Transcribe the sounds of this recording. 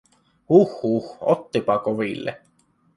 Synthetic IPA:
huxhuxo̰t̪ːipɑkovilːḛ

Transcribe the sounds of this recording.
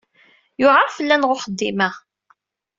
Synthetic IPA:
jʊʕaɾfəlːænʁʊχəd̪ːimæ

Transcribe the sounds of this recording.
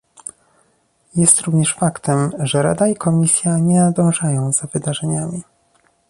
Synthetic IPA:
jɛst̪ɾuvɲɛʂfakt̪ɛmʐɛɾa̰d̪aikɔmʲisʲjaɲɛnad̪ɔ̃w̃ʐajɔ̃w̃z̥avɘd̪aʐɛɲamʲi

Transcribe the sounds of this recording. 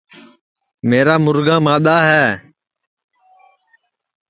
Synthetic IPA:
meːɾaːmʊɾɡãːmãːɗ̪aːɦɛː

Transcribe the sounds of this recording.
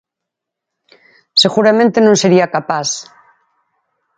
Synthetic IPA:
seɣuɾamẽnt̪enõŋseɾiakapas

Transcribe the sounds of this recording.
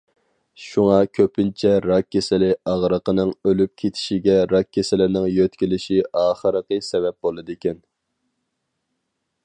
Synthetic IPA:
ʃuŋɑkʲʰøpʰɪnt͡ʃʰɛɾɑkʲʰːesɪlɪɑʁɾəqənɨŋølyp̚kʲʰet̪ʰɪ̥ʃiɡʲɛɾɑkʲʰːesɪlɪnɪŋjøt̪kʲilɪʃiɑːχəɾəqəsɛvɛp̚b̥olˠɨd̪ekʲɛn

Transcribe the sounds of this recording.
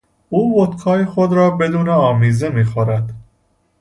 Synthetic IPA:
uːbot̪kʰɒːjexod̪ɾɒːbe̞d̪uːneɒːmiːze̞miːxoɾæd̪̥

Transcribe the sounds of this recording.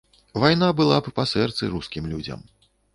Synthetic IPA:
vajnabɨlˠappasɛrt̪sɨɾuskʲimlʲud͡zʲɐ̰m

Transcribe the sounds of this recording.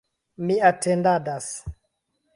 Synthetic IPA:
miatendadas

